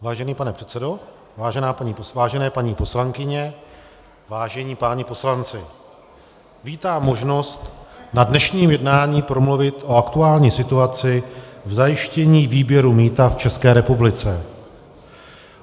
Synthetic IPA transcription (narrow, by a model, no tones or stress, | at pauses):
vaːʒɛniːpanɛpr̥ɛt̪t͡sɛdo̞ | vaːʒɛnaːpaɲiːpvaːʒɛnɛːpaɲiːpo̞slaŋkɪɲɛ | vaːʒɛɲiːpaːɲipo̞slant͡sɪ | viːt̪aːmːo̞ʒno̞st̪nadnɛʃɲiːmjɛdnaːɲiːpɾo̞mluvɪt̪ʔo̞akt̪uaːlɲiːsɪt̪uat͡sɪvzajɪʃcɛɲiːviːbjɛɾumiːt̪aft͡ʃɛskɛːɾɛpublɪt͡sɛ